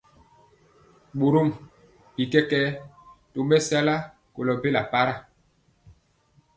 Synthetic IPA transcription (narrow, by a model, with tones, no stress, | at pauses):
ɓo˨ɾo˦˨m | bi˨kɛ˦kɛː˦to˨mbɛ˦sa˦la˦ | ko˨lɔ˨be˦la˨pa˦ɾa˦˨